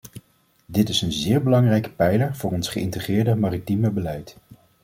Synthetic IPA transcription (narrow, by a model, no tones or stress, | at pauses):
dɪtɪsənzɪːɹbəlɑŋrɛjkə̥pɛjləɹvʊːrɔnsχəɪntəχrɪːɹdəmaːritiməbəlɛjt